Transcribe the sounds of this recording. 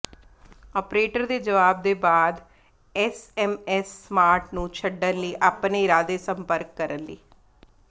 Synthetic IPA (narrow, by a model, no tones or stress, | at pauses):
ɔːpɾeːʈəɾd̪eːd͡ʒəʋaːb̚d̪eːbaːd̪ | ɛsɛmɛsːmaːɾʈnũːt͡ʃʰəɖːənliːʔaːpneːɪɾaːd̪eːsə̃mpəɾkːəɾənlḭː